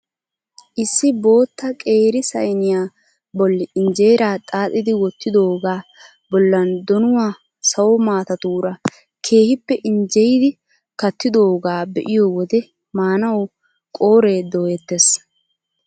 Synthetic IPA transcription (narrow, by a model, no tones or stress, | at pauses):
ʔɪsːɪbo̞ːt̪ːɐkʼe̞ːɾɪsɐ̰jnɪjaː | bɔlːɪɪnd͡ʒe̞ːɾaːt̪ʼaːt̪ʼːɪd̪ɪwɔt̪ːɪd̪o̞ːɡaː | bɔlːɐnd̪ɔnʊwaː | sɐwɔmaːt̪ɐt̪uːɾɐ | kʰe̞ːhɪpːɛʔɪnd͡ʒɛjɪd̪ɪ | kɐt̪ːɪd̪o̞ːɡaːbɛʔɪjoːwɔd̪ɛ | maːnɐw | kʼo̞ːɾe̞ːd̪oːjɛt̪ːes